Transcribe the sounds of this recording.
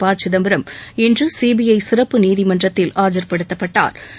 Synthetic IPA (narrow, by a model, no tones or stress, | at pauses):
paːt͡ʃɪðɐmbɪɾɐmɛndrɯsiːbijɐɪsɪrɐpːɯniːðɪmɐndrɐt̪ːɪlaːd͡ʒɐɾpɐɽɯt̪ːɐpːɐʈːa̰ːɾ